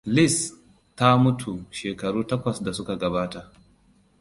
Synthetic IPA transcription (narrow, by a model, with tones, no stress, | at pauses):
lɪ˦s | ta˦mʊ˦tʰu˨ʃeː˨kɐ˨ɽuː˦tɐ˦kʷɐ˨sda˨sʊ˦ka˨ɡɐ˨baː˦ta˨